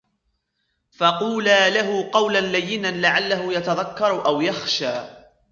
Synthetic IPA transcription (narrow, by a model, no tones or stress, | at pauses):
fɑquːlaːlaɦʊqɑwlanlajːɪnanlaʕalːahʊjat̪aðakːɑɾˤʔawjaxʃaː